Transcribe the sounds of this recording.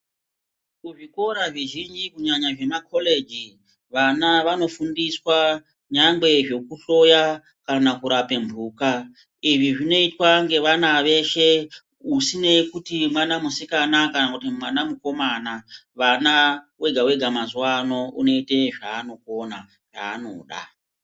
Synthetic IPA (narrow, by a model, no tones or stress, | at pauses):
kuʐiko̞ɾaʐiʒind͡ʒikuɲaɲaʐe̞makʰo̞le̞d͡ʒi | ʋanaʋano̞fundiswa | ɲaŋɡe̞ʐo̞kuɬo̞ja | kanakuɾape̞mbʱuːka | iʐiʐino̞itwaŋɡe̞ʋanaʋe̞ʃe̞ | usine̞kutimwanamusikanakanakutimwanamuko̞manaʋanawe̞ɡʱawe̞ɡʱamazuwano̞uno̞ite̞ʐaːno̞kona | ʐ̥a̰ːno̞̰ɗa̰